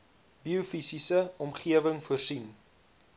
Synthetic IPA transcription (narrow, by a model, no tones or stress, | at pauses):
biufisisəɔmχiəvəŋfuərsin